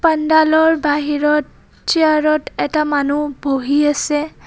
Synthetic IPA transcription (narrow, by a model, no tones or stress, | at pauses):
pandalɔɹbaɦiɹɔt | t͡ʃiaɹɔtɛtamanubʱoɦiasɛ